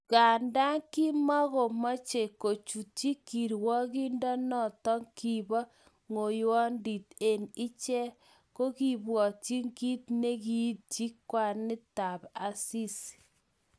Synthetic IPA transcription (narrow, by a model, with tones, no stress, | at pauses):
ka˨nda˦ŋki˦mɔ˦ko˨mɔ˦t͡ʃe˨ko˨t͡ʃu˨t͡ʃi˦kːi˨ɾwɔ˦ki˦ndɔ˦nɔ˦˨tɔ˦ŋki˨bɔ˦ | ŋo˨jwɔ˦ndi˨te˨nɪ˦t͡ʃɛ˦ | ko˦ki˨bwɔ˨t͡ʃi˦ŋki˦tne˦ki˦t̚t͡ʃi˦kːwa˨nɪ˦ta˨pa˨si˦s